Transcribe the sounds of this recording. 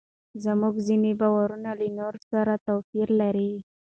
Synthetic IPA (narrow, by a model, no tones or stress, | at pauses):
zəmuɡzinebawaɾunalinoɾsaɾat̪afiɾlaɾi